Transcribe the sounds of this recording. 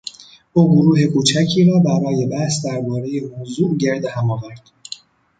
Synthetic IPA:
ʔuːɡoɾuːɦe̞kʰuːt͡ʃʰæcʰiːɾɒːbæɾɒːje̞bæhsd̪æɾbɒːɾe̞jehozuːʔɟe̞ɾd̪ehæmɒːvæɾd̪̥

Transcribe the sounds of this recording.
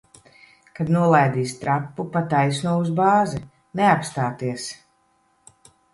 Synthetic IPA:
kad̪nuɔlˠajd̪iːst̪ɾapːupat̪ajsnuɔuzbaːzɛ | neapst̪aːt̪iɛs

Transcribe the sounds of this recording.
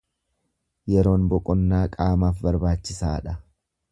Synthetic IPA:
jɛɾo̞ːnbɔkʼɔnːaːkʼaːmaːfbɐɾbaːt͡ʃːɪsaːᶑɐ

